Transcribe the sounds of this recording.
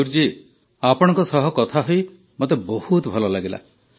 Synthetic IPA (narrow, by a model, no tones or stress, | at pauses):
uɾd͡ʒi | apɔɽ̃ɔŋkɔsɔɦɔkɔt̪ʰaɦoj | mot̪ebɔhut̪bʱɔlɔlaɡila̰